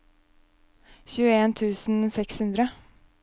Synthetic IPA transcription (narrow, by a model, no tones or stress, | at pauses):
çʉːəeːnt̪ʰʉːsn̩sɛkshʉnd̪ɾə